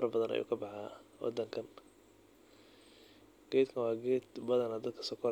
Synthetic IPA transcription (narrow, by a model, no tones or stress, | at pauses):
ɾɐbɐðɐnʔɐ̰jṵːkʰɐbɑħaːwɑ̰d̪ɐŋkʰɐn | ɡ̥ɛːd̪kʰɐnwɑːɡɛːd̪bɐðɐnɐd̪ɐd̪̚kʰɐ̥sɔkʰɔɾ